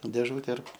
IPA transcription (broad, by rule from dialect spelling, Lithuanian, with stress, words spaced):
dʲeːˈʒuːtʲɛ ɪr